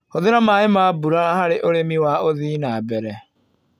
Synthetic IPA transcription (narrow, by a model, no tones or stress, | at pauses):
hoðeɾamaːemaːbuɾaɾahaɾeʔoɾemiwaoðiːnabɛɾɛ